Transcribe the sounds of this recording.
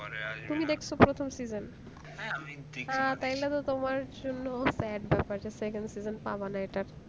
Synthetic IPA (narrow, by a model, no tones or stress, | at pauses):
t̪umid̪ekʰt͡ɕʰopɾot̪ʰomsizon | ãt̪ajlat̪ot̪omaɾd͡ʑonːosɛɖbɛpaɾd͡ʑesekenɖsizonpa̰banaeʈaɾ